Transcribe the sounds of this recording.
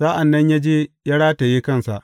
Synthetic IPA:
saː˦ʔa˨nːɐ˦ɲjaː˦d͡ʒeː˦ja˦ɽaː˦ta˨jeː˦kɐ˦˨nsa˨ʔ

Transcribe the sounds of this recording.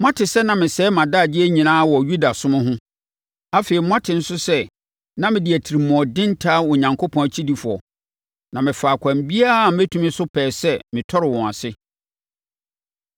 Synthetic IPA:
m̃˦ã˦tʰɪ˨sɛ˦nã˨mɪ̃˨sɛː˨˦mã˨da˦˨dɪ˦æ˦ɲĩ˨nãː˦wɔ˨ju˦da˨sʊ̃˦mʊ̃˦ɦʊ̃˦ | a˦feː˨i˨˦mʊ̃˦ã˦tʰɪ˨n̩˦sʊ˦sɛ˦ | nã˦mɪ̃˨dɪ˨æ˨tʰi˨ɾi˨m˨ɔ̃˨dɪ̃˦n˦tʰa˦ɔ˨ɲã˨ŋkʰo˦pʰɔ̃˨æ˨t͡ɕʰi˦di˨fʊ˨ɔ̰˨ | nã˨mɪ̃˨faː˨kʷʰã˨mbi˦a˦a˨˦æ˦tʰũ˨mɪ̃˦sʊ˦pʰɛː˨sɛ˦mɪ̃˨tʰɔ˦ɾɪ˨wɔ̃˨a˨sɪ˦

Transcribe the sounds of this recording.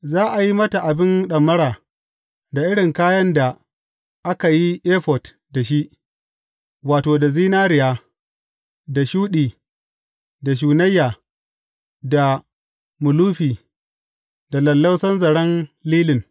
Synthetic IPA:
zaː˦ʔa˨ji˦mɐ˦ta˨ʔa˨bɪ˦nɗɐ˨mːɐ˦ɽaː˨ | da˨ʔɪ˦ɽɪ˨ŋkaː˦jɐ˦nda˨ | ʔa˦ka˨ji˦ʔeː˦ɸɔ˨t | da˨ʃi˦ʔ | waː˨toː˨da˨ziː˦naː˦ɾɪ˨jaː˦ | da˨ʃuː˦ɗiː˨ | da˨ʃ̬uː˨nɐ˦jːaː˨ | da˨ | mʊ˨luː˦ɸiː˨ | da˨lɐ˨lːɐ˦wsɐ˦nzɐ˨ɽɐ˦nliː˦lɪ˨n

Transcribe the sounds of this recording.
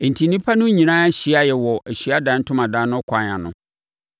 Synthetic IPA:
e˨n̩˨tʰi˨nĩ˦pʰa˦nʊ̃˦ɲĩ˨nãː˦ɕi˨˦a˦jɛ˨wɔ˨ɛ˨ɕɥa˦dãː˨˦n˦tʰʊ̃˦mã˨dãː˨˦nːʊ̃˦kʰa˨˦ã˨nʊ̃˦

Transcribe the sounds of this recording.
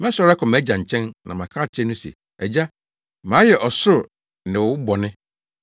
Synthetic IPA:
mɛ̃˦sɔ˨˦ɾa˦kʰɔ̃˨mæ̃˨˦d͡ʑã˨ɲ̩˨t͡ɕʰɛ̃˦nːã̰˨mã˨kʰaː˦˨t͡ɕʰɛ˦nũ˦sḛ˨ | æ̰˨d͡ʑa˦ | mã˨˦jɛ˨ʔɔ˨sʊ˦ɾ | nɪ̃˨wʊ˨˦bɔ˨nɪ̃˦

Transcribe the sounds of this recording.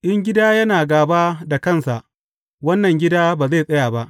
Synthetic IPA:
ʔɪ˦ŋɡʲɪ˦daː˦jɐ˦naː˨ɡaː˨baː˦da˨kɐ˦˨nsa˨ʔ | wɐ˦nːɐ˨ŋɡʲɪ˦daː˦baː˨ze˦˨sʼɐ˦jaː˨ba˦ʔ

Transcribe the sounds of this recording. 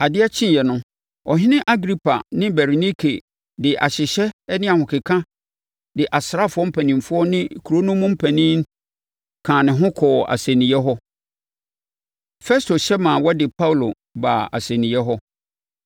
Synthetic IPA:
a˨dɪ˦a˦t͡ɕʰɪ̃˦˨jɛ˨nʊ̃˦ | ɔ˨ɦɪ̃˦nɪ̃˦ʔa˦ɡɾi˦pʰa˨nɪ̃˦bɛ˨ɾni˦kʰḛ˨ | dɪ˨ʔa̰˨ɕɪ˨ɕɛ˦ɛ˦nɪ̃˦a˨hʊ̃˨kʰɪ˨kʰã˦ | dɪ˨ʔa˨sɾa˦˨fʊ˨˦ɔ˦m̩˦pʰæ̃˨nĩ˨mfʊ˦ɔ˦nɪ̃˦˨kʰu˨ɾo˦nʊ̃˦mʊ̃˦m̩˦pʰæ̃˨nĩ˦n | kʰãː˨nɪ̃˨ɦʊ̃˦kʰɔː˨a̰˨sɛ˨nĩ˨jɛ˦ɦɔ˦ | fɛ˦stʰo˨ɕɛ˦mã˨wɔ˦dɪ˨pʰa˦wu˨lo˨ | baː˨a̰˨sɛ̃˨nĩ˨jɛ˦ɦɔ˦

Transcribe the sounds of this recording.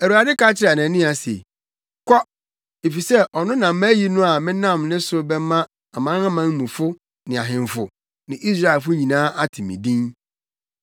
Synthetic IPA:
æ˨ɾu˨a˨dɪ˦ka˦t͡ɕʰɪ˦ɾa˨nã˨nĩ˦a˨sḛ˨ | kʰɔ˦ | e˨fi˨sɛ˦ʔɔ˨nʊ̃˦nã˨m̩˦mæ˦ji˦nʊ̃˦a˨mɪ̃˦nã˦˨mnɪ̃˦sʊ˦bɛ˦mã˦ | a˨mã˦na˦mã˦ŋ˦mũ˨fʊ˦ | nɪ̃˨a˨ɦɪ̃˨ɱ˨fʊ˨ | nɪ̃˨ʔi˦s̬ɾa˦e˨lfʊ˦ɲĩ˨nãː˦ʔa˦tʰɪ˨mḭ̃˨dĩ˦n

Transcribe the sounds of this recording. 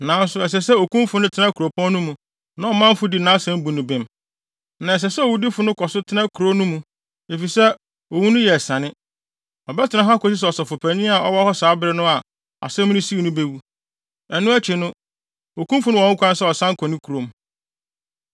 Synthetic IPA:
nã˨˦n̩˦sʊ˨ɛ˨s̬ɛ˨sɛ˦o˨kũ˦mfʊ˨nʊ̃˦tʰɪ˦nã˦kʰu˨ɾo˨pʰɔ̃˦n˦nʊ̃˦mũ˨ | nã˦ɔ˨mã˦m̩˦fʊ˦di˨nã˦sɛ̃˦m˦bu˨nʊ̃˨bɪ̃˨m | nã˨ɛ˨s̬ɛ˨sɛ˦ɔ˨wu˦di˦fʊ˨nʊ̃˦kʰɔ˨sʊ˦tʰɪ˦nã˦kʰu˨ɾo˦nʊ̃˦mũ˨ | e˨fi˨sɛ˦ | o˨wu˦nʊ̃˦jɛ˨sã˨nɪ̃˦ | ɔ˨bɛ˦tʰɪ˨nã˦ɦa˦kɔ˨s̬i˦s̬ɛ˨ɔ˨sɔ˨fʊ˨pʰæ˨nĩ˦a˨ɔ˦wɔ˦hɔ˦saː˨˦bɪ˦ɾɪ˦nʊ̃˦a˨ | a̰˨sɛ̃˦m˦nʊ̃˦si˦˨nʊ̃˦be˦wu˦ | ɛ˨nʊ̃˦æ˦t͡ɕʰi˨nʊ̃˦ | o˨kʰũ˦mfʊ˨nʊ̃˦ɔ̃˨ŋ̩˦kʷʰã˦n˦sɛ˦ɔ˨sã˦ŋ̩˦kʰɔ̃˨nɪ̃˦kʰu˨ɾo˨m˦

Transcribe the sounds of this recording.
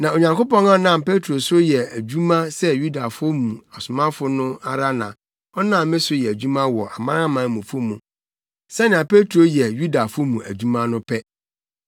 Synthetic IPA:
nã˨o˨ɲã˨ŋko˦pɔ̃˦nã˦nã˦˨mpe˦tʰɾo˨sʊ˦jɛ˨æ˨d͡ʑᶣu˦mã˦sɛ˦ju˦da˨fʊ˦o˦mũ˨a˨sʊ˨mã˦fʊ˦nʊ̃˦a˦ɾa˦nã̰˨ | ɔ˦nã˦˨mɪ̃˦sʊ˦jɛ˨æ˨d͡ʑᶣũ˦mã˦wɔ˨ʔa˨mã˦ɾa˦mã˨˦˨mũ˨fʊ˦mũ˨ | sɛ˦nã˨pe˦tʰɾo˨jɛ˨ju˦da˨fʊ˦mũ˨ʔæ˨d͡ʑᶣu˦mã˦nʊ̃˦pʰɛ˦

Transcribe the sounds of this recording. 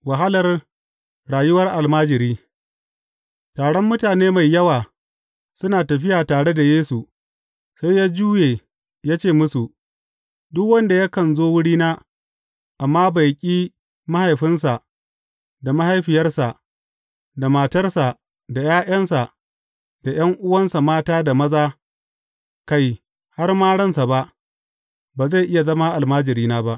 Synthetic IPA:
wa˨ɦa˦lɐ˨r | ɽaː˨jʊ˦wɐ˦rʔa˨lmaː˦d͡ʒɪ˨ɾiː˦ | taː˨ɽɔ˦mːʊ˦taː˨neː˦ma˨jːɐ˦waː˨ | sʊ˦naː˨tɐ˨ɸ̬ɪ˦jaː˨taː˨ɽe˦da˨jeː˦su˨ | sa˦jjaː˦d͡ʒuː˦jeː˨ | jaː˦t͡ʃeː˦˨mʊ˦su˨ʔ | dʊ˦kwɐ˦nda˨ja˦kɐ˨nzoː˦wʊ˦ɽiː˦naː˦ | ʔa˨mːaː˦ba˨jkʲʼiː˦ | ma˦ha˨jɸɪ˦nsa˨ | da˨ma˦ha˦jɸɪ˨jɐ˦rsa˨ʔ | da˨maː˨tɐ˦rsa˨ | da˨jaː˦ʔɐ˦nsa˨ʔ | d̥a˨j̰ɐ˦ŋʔʊ˦wɐ˦nsa˨maː˦taː˦da˨mɐ˦zaː˦ | ka˦j | ha˦rmaː˦ɽɐ˦nsa˨ba˦ʔ | baː˨za˦˨ʔɪ˦ja˨zɐ˦ma˦ʔa˨lmaː˦d͡ʒɪ˨ɾiː˦naː˦ba˦ʔ

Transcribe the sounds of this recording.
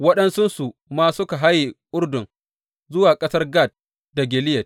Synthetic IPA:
wɐ˦ɗɐ˦nsʊ˦nsu˨maː˦sʊ˦ka˨ɦa˦ji˨ʔʊ˦rdʊ˨ŋ | zʊ˦waː˨kʼɐ˦sɐ˦rɡaː˦˨t̚ | da˨ɡʲɪ˨lɪ˦jɐ˨t̚

